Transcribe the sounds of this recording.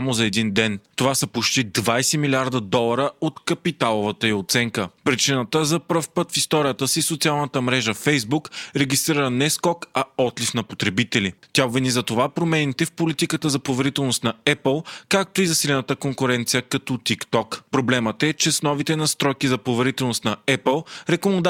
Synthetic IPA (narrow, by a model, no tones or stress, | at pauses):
samozɐɛd̪ind̪ɛnt̪ovasɐpot͡ʃt̪id̪vajsɛmilʲiaɾd̪əd̪ɔlˠɐɾəot̪kɐpit̪alˠovət̪əiot̪sɛŋkəpɾit͡ʃinət̪əzɐpɾəfpɤt̪fist̪ɔɾijət̪əsisot̪sʲialˠnət̪əmɾɛʒəfɛjzbukɾɛɡist̪ɾiɾənɛskɔkɐɔt̪lifnɐpot̪ɾɛbit̪ɛlit̪ʲavinizɐt̪ovapɾomɛnit̪ɛfpolit̪ikət̪əzɐpovɛɾit̪ɛlˠnost̪nɐɛpəlˠkak̚t̪oizɐsilɛnət̪əkoŋkʊɾɛnt̪sijəkɐt̪ɔt̪ikt̪ɔkpɾoblɛmət̪ɛt͡ʃɛsnɔvit̪ɛnɐst̪ɾɔjkizɐpɾovɛɾit̪ɛlˠnost̪nɐɛpəlˠɾɛkomd̪